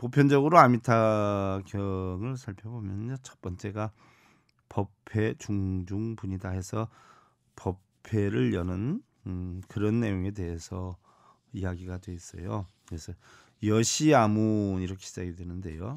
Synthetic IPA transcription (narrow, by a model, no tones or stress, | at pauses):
popʰjʌnd͡ʑʌɡɯɾoamitʰaɡjʌŋɯɭsʰaɭpʰjʌbomjʌnɲot͡ɕʌp͈ʌnt͡ɕ͈e̞ɡa | pʌpʰe̞t͡ɕuŋd͡ʑuŋpuɲidaɦe̞sʰʌ | pʰʌpʰe̞ɾɯɭjʌnɯn | kɯɾʌnːe̞joŋe̞de̞ɦe̞sʰʌ | ijaɡiɡadwe̞is͈ʌ̰jokɯɾesʰʌ | jʌɕʰiamuniɾʌkʰeɕʰid͡ʑaɡedwe̞nɯnde̞̰jo